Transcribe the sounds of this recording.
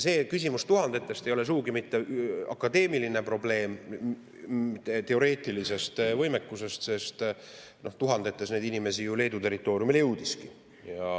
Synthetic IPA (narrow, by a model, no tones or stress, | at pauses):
se̞ːkys̬ʲimust̪uɦɑnd̪̥e̞t̪ːˑe̞st̪e̞jo̞le̞s̬uuɡimit̪ːe̞ɑ̰kːɑd̪e̞ːmiline̞pro̞ble̞ːm | t̪e̞o̞ɾe̞ːt̪ˑilise̞st̪vɤjme̞kːuse̞st̪se̞st̪ | no̞ht̪uɦɑnd̪e̞t̪ːˑesne̞jd̪inime̞sijule̞ːd̪ut̪e̞ɾit̪ːˑo̞ːɾjumiljɤwd̪̥iski | jɑ